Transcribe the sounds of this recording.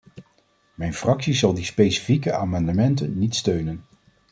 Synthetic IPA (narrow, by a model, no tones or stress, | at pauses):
mɛjnfrɑksizɑlˠdispejsi̥fikəʔaːmɑndəmɛntə̰nːitstøɥnən